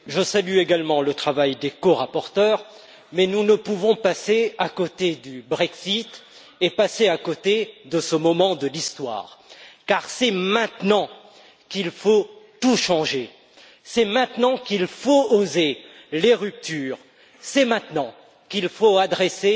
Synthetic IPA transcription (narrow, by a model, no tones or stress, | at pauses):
ʒəsalyeɡalmɑ̃lət̪χavajd̪ekoʁapɔʁt̪œʁ | mɛnunəpuvɔ̃paseakot̪ed̪ybʁɛksit̪ | epaseakot̪ed̪əsəmɔmɑ̃d̪əlist̪wa̰ːʁkaʁsɛmɛ̃t̪nɑ̃ | kilfot̪uʃɑ̃ʒe | sɛmɛ̃t̪nɑ̃kilfooze | leʁyp̚t̪yːʁ | sɛmɛ̃t̪nɑ̃ | kilfoad̪ʁese